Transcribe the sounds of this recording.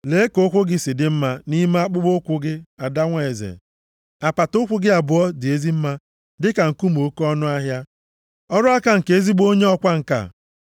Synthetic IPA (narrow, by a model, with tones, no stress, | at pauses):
le˨˦e˦ko˦kʷʊ˦ɡɪ˦sɪ˨dɪ˦m̩˦ma˦ni˦me˦a˦k͡pʊ˦ɡ͡bo˦kʷʊ˦ɡɪ˦a˨da˦ŋʷa˨e˨zḛ˨ | a˨pa˨tʊ˦kʷʊ˦ɡɪ˦a˨bʊ˨ɔ˦dɪ˨e˦zi˦m̩˦ma˦ | dɪ˦ka˨ŋ̩˨ku˦m̩˨o˦kɔ˦nʊ˦a˦ɦja˦ | ɔ˦ɾʊ˦a˦ka˦ŋ̩˨ke˨e˦zi˦ɡ͡bo˦ɲe˦ɔ˦kʷa˦ŋ̩˨ka̰˨